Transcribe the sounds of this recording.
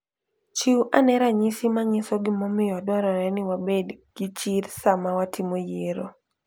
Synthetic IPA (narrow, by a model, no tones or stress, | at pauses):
t͡ʃiwʔanɛɾaɲɪsɪmaɲɪsɔɡɪmɔmɪjɔdwɔɾɔɾɛnɪwabedɡ̥ɪt͡ʃiɾsamawatʰɪmojeɾo